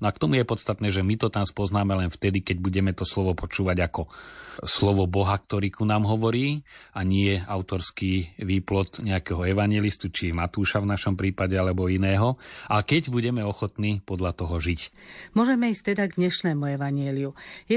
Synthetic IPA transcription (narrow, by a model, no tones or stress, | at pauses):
nakt̪ɔmujɛpɔt̪st̪at̪nɛːʒɛmit̪ɔt̪anspɔznaːmɛlɛnft̪ɛd̪ikɛɟ̚buɟɛmɛt̪ɔslɔʋɔpɔt͡ʃuːʋaɟakɔslɔʋɔbɔɦakt̪ɔɾiːkunaːmɦɔʋɔɾiːaɲɪɛaʊt̪ɔɾskiːʋiːplɔt̪ɲɛakɛɦɔɛʋaɲɪɛlist̪ut͡ʃiɛmat̪uːʃavnaʃɔmpɾiːpaɟɛalɛbɔinɛːɦɔʔakɛɟbuɟɛmɛɔxɔt̪niːpɔd̪ʎat̪ɔɦɔʒicmʊɔʒɛmɛiːsct̪ɛd̪aɡd̪ɲɛʃnɛːmuɛʋaɲɪɛliujɛ